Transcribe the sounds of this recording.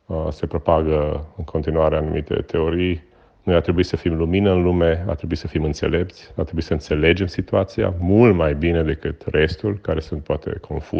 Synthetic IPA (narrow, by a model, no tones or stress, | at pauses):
se̞pɾo̞paɡəɨŋkʰo̞nt̪inuaɾeanumʔit̪e̞̰t̪ʰe̞o̞ɾij | nujat̪ɾe̞buisəfimluminəɨnlume̞a̰t̪ɾebuisəfimɨnt̪se̞̰le̞p̚t̪sʲat̪ɾebuisəɨnt̪se̞le̞d͡ʒe̞msit̪uat̪sia̰mult̪majbine̞d̪e̞kɨt̪rʔe̞st̪ulʲkaɾe̞sunt̪̚poat̪e̞̰kʰo̞̰nfṵ